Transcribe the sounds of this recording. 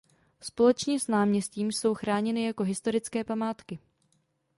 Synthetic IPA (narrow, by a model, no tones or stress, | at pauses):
spo̞lɛt͡ʃɲɛsnaːmɲɛsciːmso̞wxɾaːɲɛnɪjako̞ɦɪst̪o̞ɾɪt͡skɛːpamaːt̪kɪ